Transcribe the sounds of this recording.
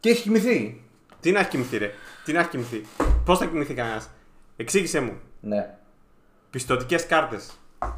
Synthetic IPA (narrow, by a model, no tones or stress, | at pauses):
ceiçi̥cimiθi | t̪inɐçi̥cimiθiɾet̪inɐçi̥cimiθipo̞sθɐcimiθikɐnɐs | e̞ksiʝise̞mṵne | pist̪o̞t̪ice̞skɐɾt̪e̞s